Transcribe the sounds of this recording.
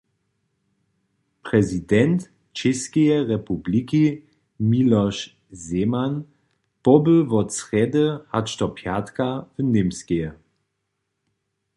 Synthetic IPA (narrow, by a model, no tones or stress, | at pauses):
pʁɛzidɛnt | t͡ʃɛskɛjɛʁɛpubliki | milɔʃ | zeman | pɔbəvɔt͡sʁɛdəhat͡ʃt̪ɔpʰjatkavənemskejɛ